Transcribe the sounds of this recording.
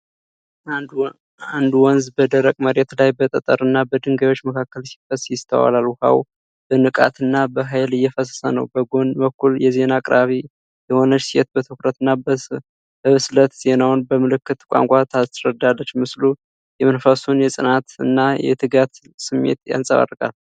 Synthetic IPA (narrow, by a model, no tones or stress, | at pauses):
and̪uwɔnzbəd̪əɾəkʼməɾet̪lajbət̪ʼət̪ʼəɾɨnːabəd̪ɨŋɡajwo̞t͡ʃːməkʰakːəlsi̥fəsjɪst̪ʰə̰wa̰lalwʊha̰w | b̥ənɨkʼa̰t̪ɨnːabəɦajlɨjːɛfəsə̥sənəwbəɡo̞nbəkːuljɛze̞nakʼɾaβi | jɛho̞nət͡ʃːsijɛt̪̚bət̪ʰɨkɾət̪ɨnːab | bəβɨslət̪z̥e̞nawnbəmɨlɨkːɨt̪kʷʼa̰ŋkʷʼat̪ʰasɾəd̪alːət͡ʃːmɨslu | jɛmənfasunjɛsʼɨnat̪ɨ̰nːajɛ̰t̪ʰɨɡat̪ | sɨmːḛt̪ja̰nsʼəβa̰rkʼa̰l